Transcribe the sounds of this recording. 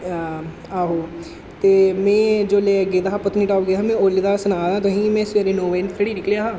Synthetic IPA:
aːɦoː | t̪eːmẽːd͡ʒoːleːɡeːd̪aapʊt̪niːʈaːɡejɦaːmẽːoːlid̪aːsənaːd̪ãːt̪oɦĩːmẽːsʋeɾeːnoːʋenpʰeɽiːnɪklejaːɦaː

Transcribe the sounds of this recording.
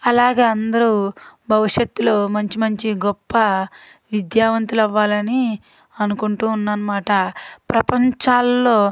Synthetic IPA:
ɐlaːɡeːɐnd̪ɐɾubʱɐʋiʂjet̪ːulo̞ːmɐɲt͡ʃimɐɲt͡ʃiɡɔpːɐʋid̪jaːʋɐnt̪ulɐʋːaːlɐni | ɐnukuɳʈuːnːɐnɐmaːʈɐpɾɐpɐɲt͡ʃaːlːo̞ː

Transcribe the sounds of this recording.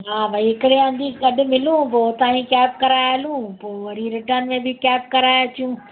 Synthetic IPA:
ɦaːbɐiɦɪkɪɽeə̃nd̪ikɐɗʊ̆mɪlũpoːt̪aːĩkɛːpkɐɾaːjɐlũpoːʋɐɾiɾɪʈənmẽbʱɪkɛːp̚kɐɾaːjt͡ɕijũ

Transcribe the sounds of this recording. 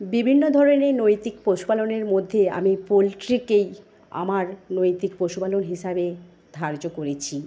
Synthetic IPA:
bibʱinːod̪ʱɔɾonenojt̪ikpɾoʃupaloneɾmod̪ʱːea̰mipolʈɾikej | a̰maɾnojt̪ikpoʃupalonɦiʃabe | d̪̥ʱaɾd͡ʑokoɾet͡ɕʰi

